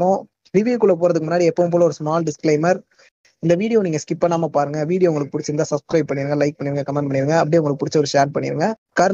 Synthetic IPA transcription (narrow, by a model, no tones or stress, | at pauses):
õ | ɾɪʋikʊɭːɐpoːɾɐðɯkːɯmʊnːaːɽiɛpːɐːʋmp̬oːlɐɔɾɯsmaːlɖɪsklɐɪmɐɾ | ɪnd̪ɐʋiːɽɪjoːniːŋɡɐskɪpːɐnaːmɐpaːɾɯŋɡɐʋiːɽɪjoːʊŋɡɐɭɯkːɯpʊɽɪt͡ʃːɯɾɯnd̪aːsɐpskɾɐɪp̚pːɐɳːɪɾɯŋɡɐlɐɪk̚pɐɳːɪɾɯŋɡɐkɐmɛɳɖ̚pɐɳːɪɾɯŋɡɐɐp̬ːɐɽĩʊŋɡɐɭɯkːɯpʊɽɪt͡ʃːɐɔɾɯʂaːɾnpɐɳːɪ̰ɾɯŋɡɐ | kaːɾɐ